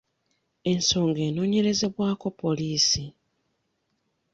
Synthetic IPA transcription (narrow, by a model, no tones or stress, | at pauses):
e̞nso̞ːŋɡe̞ːno̞ːɲe̞ɾe̞ze̞βwaːko̞po̞liːsi